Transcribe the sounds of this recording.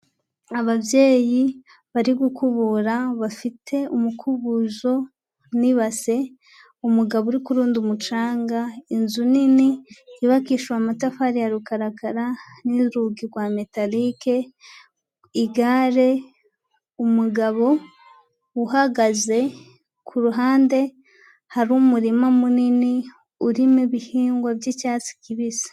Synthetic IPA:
aβabje̞ːji | βaɾiɡukʰuβuɾaβafitʰe̞umukʰuβuzo̞ | niβase̞ | umuɡaβouɾikuɾuːndumut͡ʃaːŋɡainzuniniiβakiʃuamatafaɾijaɾukaɾakaɾaniɾuɡiɾɡwame̞talike | iɡaɾe̞ | umuɡaβo̞ | uhaɡaze̞ | kʰuɾuɦaːnde̞ | haɾumuɾimamunini | uɾimeβihiːŋɡwabjecaːt͡si̥kiβisḁ

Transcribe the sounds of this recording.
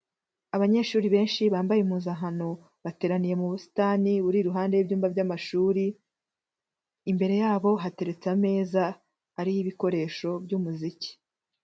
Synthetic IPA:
aβaɲe̞ːʃuːɾiβe̞ːnʃiβaːmbajemuːzaɦano̞ | βate̞ːɾanije̞muβusi̥taniβuɾiːɾuɦaːnde̞bjuːmvabɟamaʃuːɾi | mbe̞ɾe̞jaːβo̞ɦate̞ɾe̞t͡same̞ːzaː | ɾijiβiko̞ɾe̞ːʃo̞bjumuzici̥

